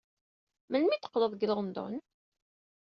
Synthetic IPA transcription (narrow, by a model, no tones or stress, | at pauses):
mənmit̪ːə̥qːləðˤɡləʁnd̪ˤʊ̰n